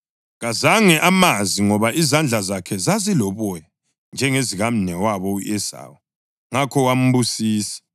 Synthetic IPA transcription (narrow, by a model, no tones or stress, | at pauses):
ɣazaŋɛʔamaziŋɔβaʔizand͡ɮʱazakʰɛzazilɔβɔja | nd͡ʒʱɛŋeziɣam̩nɛwaβɔuʔɛza̰ːwɔ | ŋakʰɔwam̩βusiːsi̥